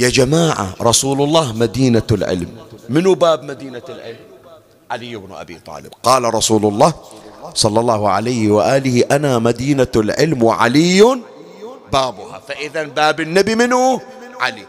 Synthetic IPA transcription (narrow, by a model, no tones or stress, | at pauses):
jad͡ʒamaːʕa̰ɾˤɑsuːlʊlˤːɑːhmad̪iːnalʕɪ̰lmːɪnubaːbmad̪iːnalʕɪ̰lm | ʕalɪjːɪbnʔa̰bḭt̪ˤɑ̰ːlɪb̥qɑːlaɾˤɑsuːlʊlˤːɑːhsˤɑlːɑlˤːɑːhʕa̰lajhɪwaʔaːlɪhɪʔanamad̪iːnalʕɪlmwɪʕa̰lɪjːʊn | baːbʊha̰faʔɪðanbaːbɪnːabimɪnu | ʕali